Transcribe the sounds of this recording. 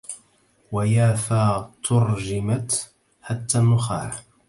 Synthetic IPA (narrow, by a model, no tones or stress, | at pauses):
wajaːfaːt̪ʰʊɾd͡ʒɪmat̪ | ħat̪ːaːnːʊxa̰ːɾ